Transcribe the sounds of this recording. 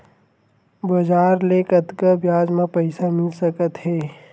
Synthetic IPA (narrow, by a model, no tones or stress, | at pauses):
bɐd͡ʒaːɾleːkət̪kabjaːd͡ʒmãpəɪsamɪlsəkət̪ɦɛː